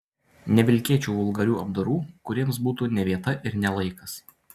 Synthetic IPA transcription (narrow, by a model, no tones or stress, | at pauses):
nʲɛʋʲɪlʲkʲiɛt͡ʃʲuːʋʊlˠɡɐɾʲuːɐb̚d̪oɾuːkʊɾʲiɛmsbuːt̪uːnʲɛʋʲiɛt̪ɐʔɪɾnʲɛlˠɐɪkɐs